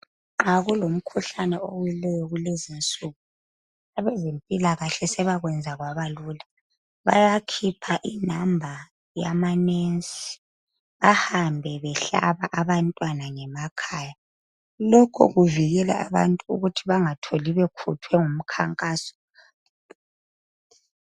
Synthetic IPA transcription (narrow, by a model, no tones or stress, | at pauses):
ŋ͡ǃaɣulom̩kʰuɬanɛowilɛjɔɣulezint͡sʼuɣu | aβɛzempʼilaɣaɬɛsɛβaɣwɛnd͡zʱaɣwaβaluːla | βa̰jakʰipʰaʔinambʱa | jamanensʼi̥ | βahambʱɛβɛɬa̰βaʔaβantʼwanaŋɛmakʰaːja | lɔkʰɔ̰ɣuviɣɛla̰a̰βa̰ntʼuṵɣutʰiβaŋatʰoliβɛkʰṵtʰwɛŋum̩kʰa̰ŋkʼaːsɔ̥